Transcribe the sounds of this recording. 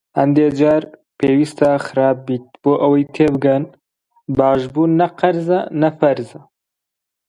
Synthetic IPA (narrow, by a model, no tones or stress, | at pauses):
hɐnd̪eːd͡ʒɑːɾpeːwiːst̪ɑːxɨɾɑːb̚biːt̪̚b̥oːʔɐwɐjt̪ʰeːbɨɡɐn | bɑːʒbuːɐqɐɾzɐ̰nɐfɐɾzɐ